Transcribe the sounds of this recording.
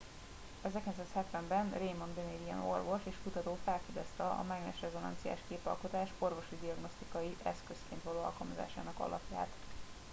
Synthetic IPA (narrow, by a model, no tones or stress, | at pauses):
ɛzɛkɛnsaːshɛt̪ʋɛmbɛnreːmɒnd̪eneːd̪ijɛ̰norvo̞ʃeːʃkut̪ɒt̪oːfɛlfid̪ɛst̪ɛɒ̰mɛɡnɛʃrɛzo̞nɒ̰nt̪sija̰ːʃkeːpɒ̰lkot̪aːʃorvo̞ʃid̪iɒɡno̞st̪ikɒjiʔɛskø̞skeːnt̪ʋɒloːɒ̰lkɒlmɒza̰ːʃa̰ːnɒkɒ̰lɒ̰pja̰ːt̪